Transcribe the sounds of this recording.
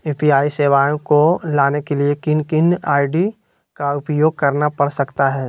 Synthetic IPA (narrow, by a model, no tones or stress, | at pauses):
uːpiaːiseːʋaːjõkolaːnekeliekɪnkɪnaːɪɖi | kaʊpjoːɡ̚kɐɾnapɐɽsɐkt̪aɦɛː